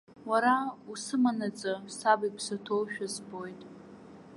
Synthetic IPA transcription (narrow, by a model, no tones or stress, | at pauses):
waɾausɨmanat͡sʼasabipʰsatʰowʃᶣazbo̞jtʼ